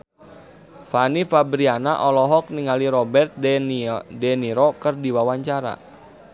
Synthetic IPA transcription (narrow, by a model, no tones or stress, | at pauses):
fanifabɾianaʔɔlɔɦɔk̚niŋaliɾɔbɛrt̪̚ | dɛniɾɔkərdiwawaɲt͡ʃaɾa̰